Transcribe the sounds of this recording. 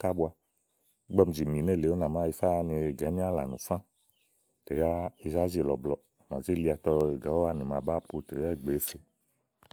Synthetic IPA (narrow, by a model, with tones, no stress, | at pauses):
ka˦bu˧˦a˧˨˦ | ɡ͡bɛ˧m̩˨d͡ʒi˨mĩ˨ne˦˨le˨˦o˦nã˨ma˦i˧fa˦˧nũ˧˨e˨ɡɛ˨˦ĩ˦a˦la̰˨nṵ̃˨fã˦ | te˨ja˦i˧za˦zi˦˨lɔ̰˨blɔ˧˨ma˨d͡ʒe˦li˧a˨˧tɔ˧˨e˨ɡɛ˨˦o˦a˦nĩ˨mã˨ba˦˨pu˧te˨jɛ˦˨ɡ͡be˨˦fe˧